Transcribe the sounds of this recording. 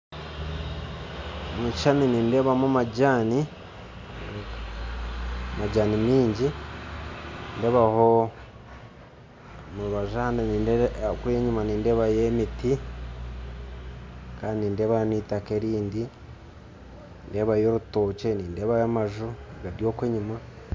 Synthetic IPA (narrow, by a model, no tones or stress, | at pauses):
muʃaniniːndeːβamumaɟaːni | ek | maɟaːnimiːɲɟi | nde̞ːβaho | muɾuβaʒahandeniːndkujeɲimaniːndeːβajemiti | kaːndiniːndeːβahniːtakeɾiːndi | nde̞ːβajo̞ːɾuto̞ːt͡ʃe̞niːndeːβajamaʒuɡadjoːkweːɲima